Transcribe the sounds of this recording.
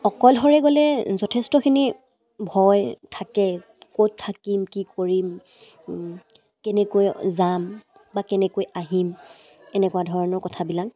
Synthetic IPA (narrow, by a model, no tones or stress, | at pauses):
ɔkɔlɦɔɹɛɡɔlɛzɔtʰɛstɔkʰini | bʱɔjtʰakɛ | kot̚tʰːakimkikoɹim | kɛnɛkojzam | bakɛnɛkojaɦim | ɛnɛkuadʱɔɹɔnɔɹkɔtʰabilaŋ